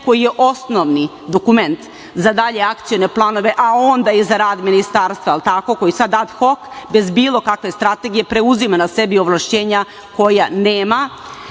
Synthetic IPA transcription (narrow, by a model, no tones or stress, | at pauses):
ko̞jijeʔo̞snoʋni | d̪o̞kume̞nt̪ | zad̪aʎe̞akt̪sijone̞plˠaːno̞ʋe̞ʔao̞nd̪aizaɾaːd̪minist̪aːɾst̪ʋailˠt̪ako̞ko̞jisad̪ːad̪xo̞kbe̞zbiːlˠo̞kakʋe̞st̪ɾat̪e̞ɡije̞pɾe̞uzimanase̞bio̞ʋlˠaʃt͡ɕe̞ːɲa | ko̞janeːma